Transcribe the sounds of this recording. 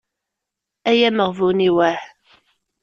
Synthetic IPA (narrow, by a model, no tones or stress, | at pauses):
æjæməʁvuniwæħ